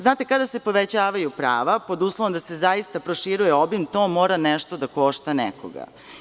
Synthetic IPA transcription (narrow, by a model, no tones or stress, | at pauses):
znaːt̪e̞kad̪asepo̞ʋet͡ɕaːʋajupɾa̰ːʋapo̞d̪uːslˠoʋomd̪ase̞zaist̪apɾoʃiɾujeo̞bimt̪o̞ːmo̞ːɾaneʃt̪o̞d̪ako̞ʃt̪anɛ̰ko̰ɡa̰